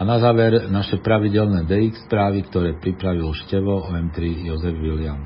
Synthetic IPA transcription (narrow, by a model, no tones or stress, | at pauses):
anazaːʋɛɾnaʃɛpɾaʋiɟɛlnɛːd̪ɛikspɾaːʋikt̪ɔɾɛːpɾipɾaʋilʃcɛʋɔɔɛmt̪ɾijɔzɛvʋilian